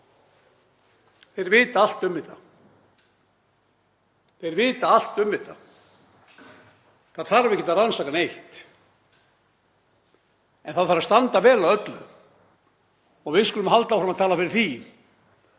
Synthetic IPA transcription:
θejɾvɪːt̪aal̥t̪ʏmvɪt̪a̰ | ejɾvɪːt̪aal̥t̪ʏmvɪt̪a | θaðθaɾvɛhcɪt̪ʰaɾɾansakanejht̪ | ɛnθaðθfaɾast̪ant̪avɛːlawœt̪lʏ̰ | ɔɣvɪðskʏlʏmɦalt̪awfɾamaðt̪ʰaːlafɪɾɪɾ̥θin

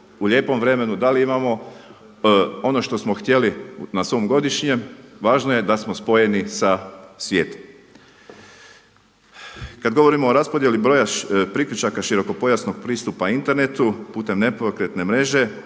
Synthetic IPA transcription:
uʎʲe̞ːpo̞mʋɾe̞me̞nud̪aliimamo̞ | o̞no̞ʃt̪o̞smo̞xt̪je̞linasʋo̞mɡo̞d̪iʃɲe̞mʋaːʒnoje̞d̪asmo̞spo̞je̞nisasʋje̞ːt̪o̥m | kad̪ɡo̞ʋo̞ɾimoːɾaspo̞d̪je̞libɾoːjapɾiklʎut͡ʃakaʃiɾo̞ko̞po̞jasnoɡ̚pɾiːst̪upaint̪e̞ɾne̞t̪upuːt̪e̞mne̞pokɾe̞t̪ne̞mɾe̞ʒe̞

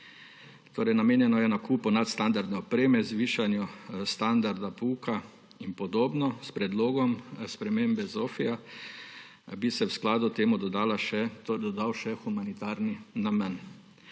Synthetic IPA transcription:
t̪oːɾɛjnameːnjɛnɔjɛnakuːpɔnat̪st̪and̪aɾd̪nɛɔpɾeːmɛzʋiːʃanjust̪and̪aɾd̪apuːka | inpɔd̪oːbnɔspɾɛd̪loːɡɔmspɾɛmembɛzoːfija | bisɛwsklaːd̪ʊt̪eːmud̪ɔd̪aːlaʃɛt̪d̪ɔd̪awʃɛxumanit̪aːɾninamən

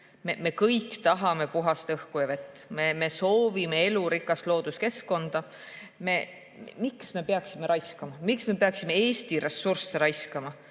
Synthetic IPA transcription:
meme̞kɤjkt̪ɑɦɑme̞puɦɑst̪ɤhkujɑve̞t̪ːˑmeme̞so̞ːvime̞e̞luɾikːˑɑst̪lo̞ːd̪̥uske̞skːo̞nd̪̥ɑ | me̞ | miksme̞pe̞ɑksime̞ɾɑjskɑmɑmiksme̞pe̞ɑksime̞e̞ːst̪iɾe̞sːurseɾɑjskɑmɑ

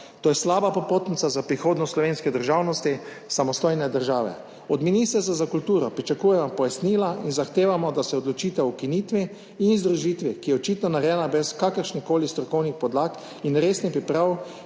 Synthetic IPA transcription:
t̪oːjɛslaːbapopoːt̪nisazapɾixoːd̪nɔslɔʋeːnskɛd̪əɾʒaːwnɔst̪i | samɔst̪ojnɛd̪əɾʒaːʋɛ̰ | ɔd̪miniːst̪əɾsazakult̪uːɾɔpɾit͡ʃakuːjɛmɔpɔjasnilainzaxt̪eːʋamɔd̪asɛɔd̪lɔt͡ʃiːt̪aukiniːt̪ʋiː | nzd̪ɾuʒit̪ʋikijɛɔt͡ʃiːt̪nɔnaɾjɛːnabɾɛskakəɾʃnixkoːlist̪ɾɔkɔwnixpɔd̪laːk | inɾeːsnipɾipɾaw

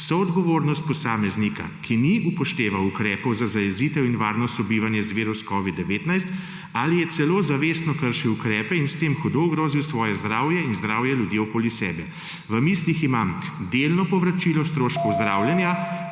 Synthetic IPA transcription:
sɔɔd̪ɡɔʋoɾnɔst̪̚pɔsaːmɛznika̰kʰiniupɔʃt̪eːʋawukɾɛːpɔwzazajɛziːt̪ɛwinʋaːɾnɔst̪ɔbiːʋanjɛzʋeːɾɔskɔʋid̪dːɛʋeːt̪najst̪ | alijɛt̪sɛloːzaʋeːsnɔkəɾʃiwukɾɛːpɛinst̪emxɔd̪ouɡɾoːziwsʋɔːjɛzd̪ɾaːwjɛinzd̪ɾaːwjɛljud̪jiɔkoːlisɛ̰ːbɛ | ʋəmisliximamd̪elnɔpɔʋɾat͡ʃilɔst̪ɾoːʃkɔwzd̪ɾaːwljɛnja

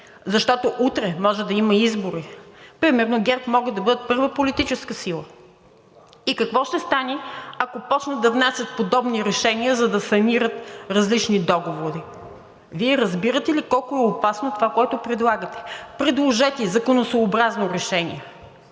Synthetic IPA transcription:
zɐʃt̪ɔt̪oʔut̪ɾɛmɔʒɛd̪ɐimɐizboɾipɾimɛɾnoɡʲɛɾpmɔɡəd̪ɐbɤd̪ət̪pɤɾvəpolit̪it͡ʃɛskəsilˠə | ikɐkvɔʃt̪ɛst̪aniɐkopɔt͡ʃnəd̪ɐvnɛsət̪̚pod̪ɔbniɾɛʃɛniəzɐd̪ɐsɐmiɾət̪ɾɐzlit͡ʃnid̪ɔɡovoɾi | viɛɾɐzbiɾət̪ɛlikɔlˠkoɛopasnot̪ovakoɛt̪opɾɛd̪lˠaɡət̪ɛ̥pɾɛd̪lˠoʒɛt̪ʲizɐkonosoːbɾaznoɾɛʃɛnḭɛ

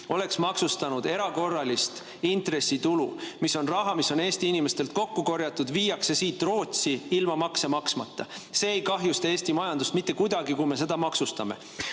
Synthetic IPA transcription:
o̞le̞ksmɑksust̪ɑnud̪̥e̞ɾɑko̞rːɑlist̪ | int̪re̞sːit̪ulṵmiso̞nrɑɦɑmisːo̞ne̞ːst̪iinime̞st̪e̞lt̪̚ko̞kːuko̞rjɑt̪ːˑud̪̥viːjɑkse̞siːt̪ːˑro̞ːt̪siilmɑmɑkse̞mɑksmɑt̪ːɑse̞ːejkɑɦjust̪ɑe̞ːsʲt̪imɑjɑnd̪ust̪mit̪ːe̞kujd̪ɑɡikume̞se̞d̪ɑmɑksust̪ɑme̞̰

